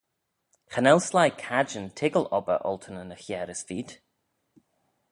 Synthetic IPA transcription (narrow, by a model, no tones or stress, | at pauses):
xənɛlˠslajkʰad͡ʒəntʰɪɡəlɔbə̰ʔɔ̰lˠt̪ʰənənəxjɛːɾəsfiːd̪̥